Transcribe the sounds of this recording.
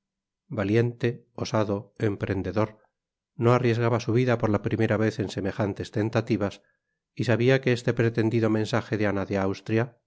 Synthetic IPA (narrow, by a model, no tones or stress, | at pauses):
balje̞nt̪e̞ | o̞saðo̞e̞mpɾe̞nd̪e̞ðo̞ɾ | noarje̞zɣaβasuβiðapo̞ɾlapɾime̞ɾaβe̞θe̞nse̞me̞xant̪e̞st̪e̞nt̪at̪iβas | isaβiakeest̪e̞pɾe̞t̪e̞nd̪iðo̞mẽ̞nsaxeðeanaðeawst̪ɾja